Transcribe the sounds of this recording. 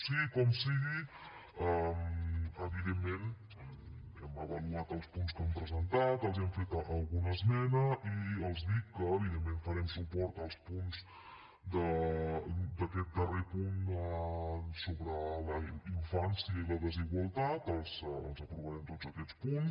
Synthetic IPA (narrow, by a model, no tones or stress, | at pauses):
sikɔmsiɣi | əməβiðemːen | ɛməβəluat̪əlˠspunskɛmpɾəzənt̪at̪əlˠzɛmfet̪əlˠɣunəzmɛnəiəlˠzðikːəːβiðemːenfəɾɛmsupɔɾt̪əlˠspunz | d̪ə | d̪əkɛt̪̚d̪ərepun | soβɾələiɱfansiəiləðəziɣwəlˠt̪at̪əlˠzə̰lˠzəpɾuβəɾɛmt̪od͡zəkɛt͡spun